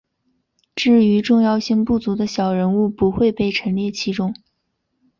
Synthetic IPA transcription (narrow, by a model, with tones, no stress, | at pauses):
ʈ͡ʂɻ̩˥˩y˧˥ʈ͡ʂʊ˥˧ŋjɑ˥˧ʊɕi˥˧ŋpu˥˩t͡su˧˥d̪ə˧ɕjɑ˨˩ʊɻə˧˥nu˥˩pu˧˥xwe˥˧ɪpe˥˩ɪʈ͡ʂʰə˧˥nljɛ˥˩t͡ɕʰi˥ʈ͡ʂʊ˥ŋ